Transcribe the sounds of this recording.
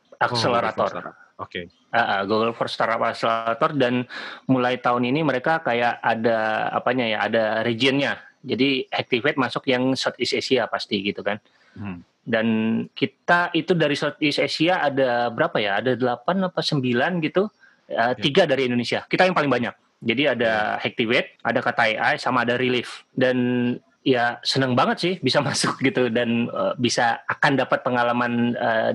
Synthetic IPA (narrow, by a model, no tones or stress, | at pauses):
ʔakseleɾat̪ɔr | aʔəɡuɡəlfɔrst̪aɾapakselat̪ɔrdanmulajt̪aʊniniməɾekakajaʔadaa̰paɲajaadaɾed͡ʒiənɲad͡ʒadiɛk̚t̪ifet̪̚masʊkjaŋsɔt̪̚isesiapast̪iɡit̪ukan | dankit̪aʔit̪udaɾisɔt̪̚isesiaʔːdabəɾapajaːdadəlapanapasəmbilanɡit̪u | ət̪iɡadaɾiindonesiakːit̪ajaŋpalɪŋbaɲak̚ | d͡ʒadiadahɛk̚t̪ivɛt̪̚ʔa̰dakat̪ajʔa̰jsamaːdaɾilɪfdan | jasənəŋbaŋət̪̚sɪhbisamasʊk̚ɡit̪udanəbisaːkandapat̪̚pəŋalamanə